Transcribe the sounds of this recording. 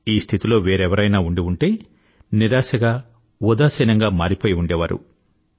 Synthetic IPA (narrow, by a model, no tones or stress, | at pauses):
iːst̪ʰit̪ilo̞ːʋeːɾɛʋɐɾɐjnaːuɳɖiuɳʈe̞ː | niɾaːsɐɡaː | ud̪aːsɐnɐŋɡaːmaːɾipoːjiuɳɖeːʋaːɾṵ